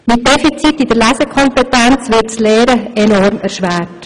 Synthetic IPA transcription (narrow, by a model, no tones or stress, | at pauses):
mɪt̚d̥ɛfit͡sitid̥əɾlæsɛkʰɔmpɛtænt͡sʋɪtt͡slɛːɾəɛnɔɾmɛɾʃʋæːrt